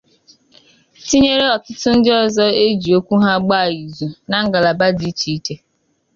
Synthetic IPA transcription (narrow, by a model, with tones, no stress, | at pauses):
ti˦ɲe˦ɾe˦ɔ˨tʊ˦tʊ˦n̩˦dɪ˦ɔ˨zɔ˦e˦d͡ʒi˨o˦kʷu˦ɦa˦ɡ͡ba˦˨i˨zu˨na˨˦ŋ̩˦ɡa˨la˨ba˦di˦t͡ʃi˨i˦te˦